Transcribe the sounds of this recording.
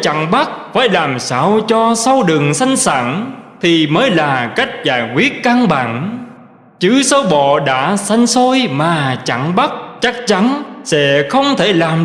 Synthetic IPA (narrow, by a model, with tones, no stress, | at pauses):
t͡ɕa̰˧˨ŋɓa˦˥t̚faː˧˩jlaː˨˩msaː˧wt͡ɕɔ˧sa˧wɗɨ˨˩əŋsa˧jŋ̟sa̰ː˧˨ŋt̪ʰi˨˩məː˨˦jlaː˨˩ka˦˥jk̟̚zaː˧˩jkwi˦˥ət̚ka˧ŋɓa̰ː˧˨ŋ | t͡ɕɨ˨˦səː˧wɓɔ̰˧˨ɗa̰ː˧˥sa˧jŋ̟so˧jmaː˨˩t͡ɕa̰˧˩ŋɓa˦˥t̚t͡ɕa˦˥k̚t͡ɕa˨˦nsɛ̰˧˥xə˧wŋ͡mt̪ʰe˧˩laː˨˩m